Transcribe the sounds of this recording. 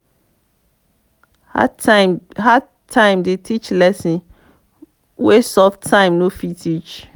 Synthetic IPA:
ɦa | tʰãɪ̃mdetʰit͡ʃlɛsĩn | wesɔftʰãɪ̃mnofitʰit͡ʃ

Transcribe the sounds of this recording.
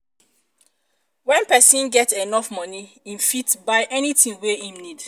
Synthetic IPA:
wɛ̃npɛsĩnɡɛtenɔfmɔni | ĩmfitbaɪʔɛnitĩŋweĩmnid

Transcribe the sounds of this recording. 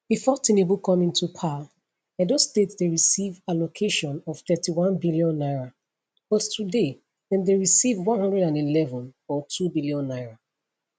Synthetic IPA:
b̥ifɔtʰĩnebukʰɔ̃mĩntʰupʰa | adɔstetdeɹisivalokʰeʃɔ̃nɔv̥θɛtiwɔ̃nbiliɔ̃nːaɪɹa | b̥ɔttːude | ɛ̃ndeɹisivwɔ̃nhɔ̃ndɹɛdãnilɛvɔ̃nɔtʰubiliɔ̃nːaɪɹa

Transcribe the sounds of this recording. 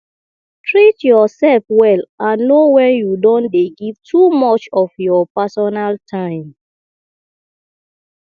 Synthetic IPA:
tʰɹitjɔsɛlfwɛlãnːowɛjudɔ̃ndeɡiv̥tʰumɔt͡ʃɔfjɔpasɔnaltʰãɪ̃m

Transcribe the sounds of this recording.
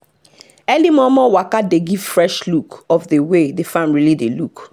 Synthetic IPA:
ɛlimɔ̃mɔwakadeɡiv̥fɹɛʃlukɔfdewedefãnɹilideluk

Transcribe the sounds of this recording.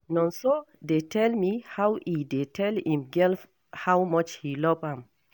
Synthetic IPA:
nɔ̃nsodetʰɛlmihawʔidetʰɛlhĩmɡɛlf | hawmɔt͡ʃhilɔvãm

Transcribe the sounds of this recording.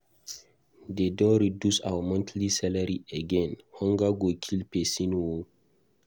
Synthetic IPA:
dedɔ̃nɾidusa̰wəmɔ̃ntʰlisɛlaɾieɡɛ̃nhɔ̃ŋɡaɡokʰilpesĩnwo

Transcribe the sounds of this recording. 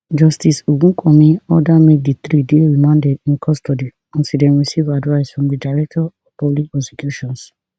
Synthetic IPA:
d͡ʒɔstisoɡũkʰɔ̃mĩɔdamedit̪ɾideɹimãndɛdĩnkʰɔstodi | ɔ̃nsidɛ̃nɹisivadvaɪsfɹɔ̃mdidaɪɹɛk̚tɔɔv̥pɔblikɛsɛkjuʃɔ̃ns

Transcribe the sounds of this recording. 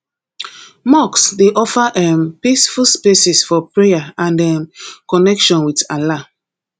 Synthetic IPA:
mɔksdeʔɔfaʔɛ̃mpisfulspesisfɔpɹejaãndɛ̃mkɔnɛkʃɔ̃nwitala

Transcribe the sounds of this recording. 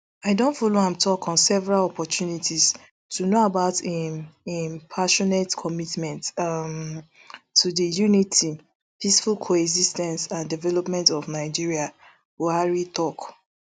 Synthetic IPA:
aɪdõntfɔlohãmtʰɔkɔ̃nsɛvɛɹalɔpɔtʰjunitʰis | tʰunoabaʊt | impʰaʃɔnɛtkʰɔmitmɛ̃ntm | tʰːudijunitʰi | pisfulkʰoɛɡzistɛ̃nsãndivɛlɔpmɛ̃ntɔvnaɪd͡ʒiɹia | huaɹitɔk

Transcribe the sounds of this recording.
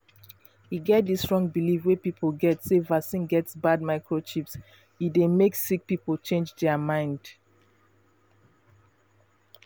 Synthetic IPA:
hiɡɛt̚disɹɔ̃ŋbilifwepipʰəlɡɛtsevasĩnɡɛtsbad̚maɪkɹot͡ʃips | idemeksik̚pipəl̩t͡ʃẽnd͡ʒdɛəmãɪ̃nd̥

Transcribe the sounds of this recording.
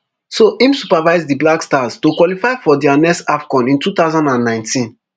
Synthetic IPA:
soʔĩmsupavaɪzdiblakstaztokwɔlifaɪfɔdɛanɛstafkɔ̃nĩntut̪aʊzãndãnːãɪ̃ntʰĩn

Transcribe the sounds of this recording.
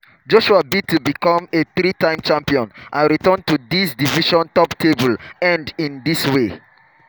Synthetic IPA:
d͡ʒoʃuabitːubikɔ̃meθɾitãɪ̃mt͡ʃãmpiɔ̃nʔãnɹitɜ̃ntud̪isdiviʃɔ̃ntɔptʰebəlɛ̃ndĩnd̪iswe

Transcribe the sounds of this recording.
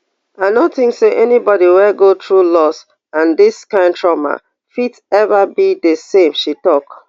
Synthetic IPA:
aɪnoθĩŋkseʔɛnibɔɾiwɛɡotɹulɔs | ãndiskãɪ̃ntʰɹɔma̰ | fid | ɛvabidəsẽmʃitɔk

